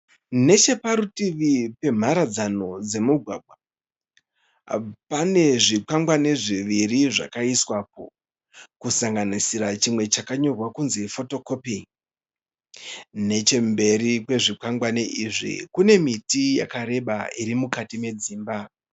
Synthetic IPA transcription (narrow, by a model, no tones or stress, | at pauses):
ne̞t͡ʃe̞paɾutiʋipe̞m̤aɾad͡zano̞d͡ze̞muɡʱwa̰ɡʱwa | pane̞ʐikaŋɡwaneʐiʋiriʐa̰kaiswap̚o̰ | kusaŋɡanisiɾat͡ʃimwe̞t͡ʃakaɲo̞rwakunzefo̞to̞ko̞pi | ne̞t͡ʃe̞mbe̞ɾikwe̞ʐikaŋɡwaneʔiʐḭkune̞mitija̰kaɾe̞ɓa̰iɾimukatime̞d͡ziːmba